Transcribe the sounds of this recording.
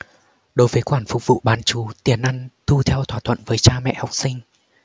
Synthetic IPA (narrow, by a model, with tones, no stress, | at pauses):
ɗo˨˦jvəː˨˦jxwaː˧˩nfʊ˨˩k͡p̚vṵ˧˨ɓaː˨˦nt͡ɕu˨˦t̪i˨˩ənʔa˧ŋt̪ʰu˧t̪ʰɛ˧wt̪ʰwaː˧˩t̪ʰwə̰˧˨nvəː˨˦jt͡ɕaː˧mɛ̰˧˨ha˨˩wk͡p̚sï˧ŋ̟